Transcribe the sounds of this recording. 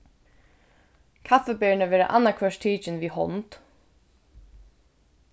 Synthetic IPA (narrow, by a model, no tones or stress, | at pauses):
kʰafɛbɛːɳəʋɛːɾa̰ʔa̰nːakʰɛʂt̪ʰiːt͡ʃɪnʋiːhɔ̰nt̪